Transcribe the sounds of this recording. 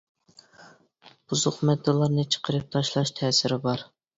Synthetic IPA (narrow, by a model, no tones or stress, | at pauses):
b̥uzʊqmɛd̪ːɨlˠɑɾnɨt͡ʃʰə̥qʰəɾɨp̚t̪ʰɑʃlˠɑʃt̪ʰɛːsɪɾɪbɑɾ